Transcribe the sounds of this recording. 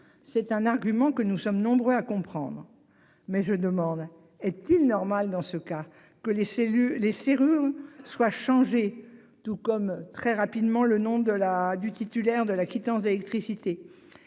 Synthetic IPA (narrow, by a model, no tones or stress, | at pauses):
sɛt̪ɛ̃naʁɡʲymɑ̃kənusɔmnɔ̃bʁøakɔ̃pχɑ̰̃d̪ʁ | mɛʒəd̪əmɑ̃d̪ | ɛt̪ilnɔʁmald̪ɑ̃səka | kəleseyleseʁyʁswaʃɑ̃ʒe | t̪ukɔmt̪χɛʁapid̪mɑ̃lənɔ̃d̪əlad̪yt̪it̪ylɛʁd̪əlakʲit̪ɑ̃sd̪elɛk̚t̪χisit̪e